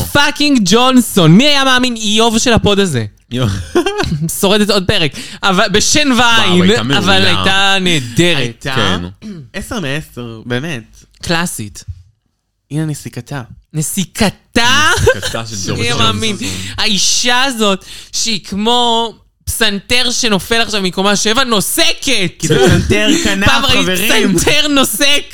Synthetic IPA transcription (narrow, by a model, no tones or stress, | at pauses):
fakiŋɡd͡ʒonso̞nmiajamaːminijo̞vʃe̞lapo̞daze̞ | so̞ʁedet̪o̞d̚peʁekavabeʃenvajinavalajtaneːdeʁetkḛneseʁmeeseʁbeːmet | klasit | inenesikat̪anesikataaamaːminaiʃaːzo̞tʃeikmo̞ | psanteʁʃe̞no̞felaχʃavmikomaʃevano̞seketsanteʁkanpaːmaiveʁsamteʁno̞sek